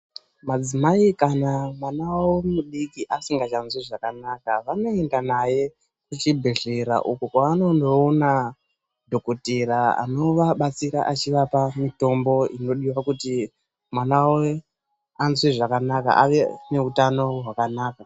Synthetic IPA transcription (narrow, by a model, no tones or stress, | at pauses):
mad͡zimaikanamwanawawemuɗikiʔasiŋɡat͡ʃanzwiʐakanakaʋano̞e̞ndanaje̞ | kut͡ʃibʱeɬeɾa̰ʔukukwaano̞ndo̞ːna | dʱo̞kotiɾaa̰no̞ʋaɓat͡siɾaʔat͡ʃiʋapamito̞mbo̞ino̞ɗiwakuti | mwanawo | anzwiʐakanaka̰ʔaʋe̞ne̞utano̞ɦwakanaːka